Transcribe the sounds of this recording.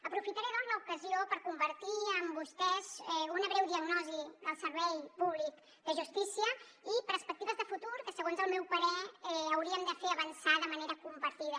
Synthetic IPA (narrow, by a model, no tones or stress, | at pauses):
əpɾufit̪əɾeðɔnzləukəziopəɾkumbəɾt̪iəmbust̪ɛzɛunəβɾɛwðiəɡnɔziəlˠsəɾβɛjpuβlik | d̪əʒust̪isiə | ipəɾspək̚t̪iβəzðəfut̪uɾkəsəɣ̞onzəlˠmɛwpəɾɛɛəwɾiəmd̪əfeəβənsaðəməneɾəkumpəɾt̪iðə